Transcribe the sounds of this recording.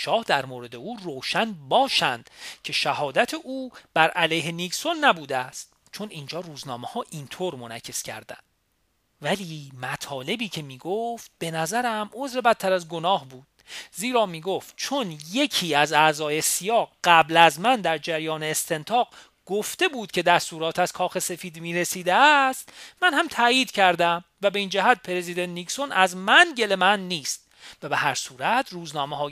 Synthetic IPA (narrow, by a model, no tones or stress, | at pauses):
ʃɒːhd̪æɾmoːɾe̞d̪e̞uːroːʃænbɒːʃænd̪̥cʰe̞ʃæɦɒːd̪æt̪ʰe̞ʔuːb̥æɾʔælejɦe̞nikso̞nːæbuːd̪eæst̪̚ | t͡ʃʰo̞niːnd͡ʒɒːruːznɒːmehɒːʔint̪ʰoːɾmo̞næcʰːe̞skcʰæ̰ɾd̪æ̰nd̪ | væliːmæt̪ʰɒːle̞biːcʰe̞miːɡoft̪̚b̥e̞næzæɾæmo̞zɾe̞bæt̪̚t̪ʰːæɾæzɡo̞nɒːhbuːd̪̥ziːɾɒːmiːɡoft̪̚t͡ʃʰo̞nje̞cʰiːæzæzɒːje̞sijɒːɣɢæblæzmænd̪æɾd͡ʒæɾjɒːneːst̪ʰe̞nt̪ʰɒːɢ | ɡ̥oft̪e̞buːd̪̥̚cʰe̞d̪æst̪uːɾɒːt̪ʰæz̥kʰɒːxe̞se̞fiːd̪miːɾe̞siːd̪eæst̪mænhæmt̪ʰæjiːd̪̥cʰæɾd̪æmvæbeiːnd͡ʒæɦæt̪̚pʰeɾe̞ziːd̪ent̪nikso̞nʔæzmænɟe̞le̞mænːiːst̪̚væbehæɾsuːɾæt̪ʰruːznɒːmehɒː